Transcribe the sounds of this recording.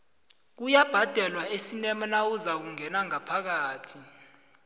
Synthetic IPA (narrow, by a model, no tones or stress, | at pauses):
k̬ujab̥ʱad̥ʱɛlwaesinɛmanawuzak̬uŋɛnaŋapʰak̬aːtʰi